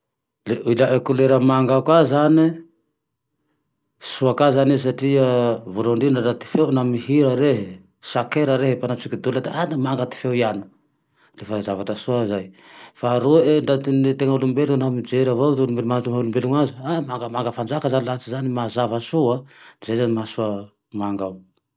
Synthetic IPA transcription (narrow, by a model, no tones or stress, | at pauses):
leulaʔekuleɾamaŋɡakazani | suakazanis̬aʈ͡ʂiavuɾaɳɖ͡ʐinaɾat̪i̥fewnamiɦiɾaɾeɦe | sakeɾaɾeɦepanat͡sikid̪ulat̪eanamaŋɡat̪i̥fewianḁ | refazavaʈ͡ʂəsuazaj | faɾueɳɖ͡ʐat̪init̪eŋaulumbelunamid͡ʒeɾavat̪ulumbelmamaɦulumbeluŋaziamaŋɡəmaŋɡəfand͡ʒakazanilat͡sizanimazavasuad̪zejzanimasua | maŋɡaw